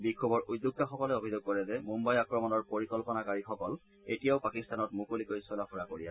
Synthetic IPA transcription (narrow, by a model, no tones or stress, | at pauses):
bikʰːobɔɹudːuk̚taxɔkɔlɛobʱizoɡ̚kɔɹɛzɛmumbajakɹɔmɔnɔɹpoɹikɔlpɔnakaɹixɔkɔl | etijaʊpakistanɔtmukulikojsɔlapʰuɹakoɹia